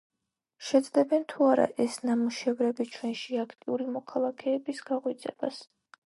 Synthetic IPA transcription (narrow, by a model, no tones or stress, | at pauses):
ʃɛd̪zd̪ɛbɛnt̪ʰuaɾa̰ʔɛsnamuʃɛvɾɛbit͡ʃʰwɛnʃiakʰt̪ʼiuɾimɔkʰalˠakʰɛːbisɡ̥aʁwit̪sʼɛ̰ba̰s